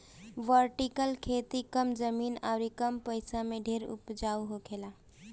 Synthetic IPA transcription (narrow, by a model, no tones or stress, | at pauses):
ʋəɾʈikəlkʰet̪ikəmd͡ʒəmiːnaʊɾikəmpəjsameɖʱeɾṵpd͡ʒauɦokʰela